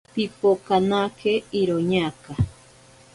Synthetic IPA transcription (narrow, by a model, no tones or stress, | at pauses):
pipokanakʰeiɾoɲaːka